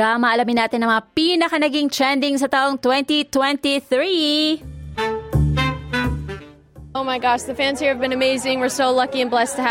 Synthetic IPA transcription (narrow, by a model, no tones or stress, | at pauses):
aːmɐʔɐlɐmɪnːaːt̪ɪnɐŋmɐŋapinɐkɐnɐɡɪŋt͡ʃɹɛnd̪ɪŋsɐt̪aʔoŋt̪wɛnt̪it̪wɛ̃nt̪iθɹi | oʊmaɪɡɑʃðəfæ̃nziɨvbɨ̃nɨmeɪzɪ̃ŋwəɹsoʊlʌkiɨ̃nblɛstʰɨɦ